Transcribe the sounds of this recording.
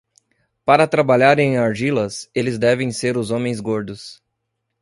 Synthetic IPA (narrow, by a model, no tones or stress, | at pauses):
paɾɐt̪ɾabaʎaɾẽaɾʒilɐselɪzd̪ɛvẽj̃seɾʊzõmẽj̃zɡoɾd̪ʊs